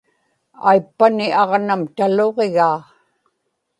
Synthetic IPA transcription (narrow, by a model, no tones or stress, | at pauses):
a̰jpːanɪʔɑʁnamt̪alo̞ʁeɣaː